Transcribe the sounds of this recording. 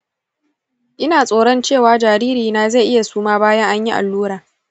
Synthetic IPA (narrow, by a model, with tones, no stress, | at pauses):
ʔɪ˦naː˨sʼoː˨ɽɔ˦nt͡ʃeː˦˨waː˨˦d͡ʒaː˨ɾiː˦ɾiː˨naː˨za˦˨ʔɪ˦ja˨suː˦maː˦baː˦jɐ˦ŋʔa˦ɲji˦ʔa̰˨lːuː˦ɽaː˨